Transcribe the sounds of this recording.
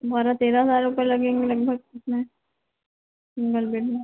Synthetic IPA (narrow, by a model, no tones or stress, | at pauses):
bʱaːɾat̪eːɾaɦəzaːɾʊpəɾlɐɡẽːŋɡelɐɡ̚bʱəɡ̚ʊsmẽ | sɪ̃ŋɡəlbeːʈẽ